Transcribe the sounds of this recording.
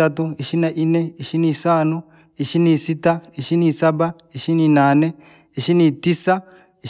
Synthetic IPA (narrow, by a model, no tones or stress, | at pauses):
ɐt̪ʊɪʃɪnɐʔɪnɛɪʃɪnisaːnʊ | ɪʃɪnisɪt̪ːɐɪʃɪnisɐbɐ | ɪʃɪnɪnaːnɛ | ɪʃɪnit̪ːɪsːɐ | ɪ